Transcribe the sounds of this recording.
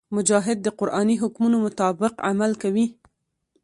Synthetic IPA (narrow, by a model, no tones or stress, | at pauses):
mʊd͡ʒɑɦɪd̪̚ːəqʊɾʔɑniɦʊkmunomʊt̪ɑbɪqa̰malkawi